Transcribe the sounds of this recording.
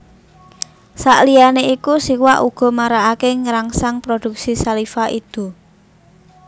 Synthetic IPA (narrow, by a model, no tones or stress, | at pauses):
saʔlijaneikusiwaʔuɡ̥ɔ̤maɾaakeŋəɾaŋsaŋpɾod̪̥ṳk̚sisalifaʔid̪̥ṳ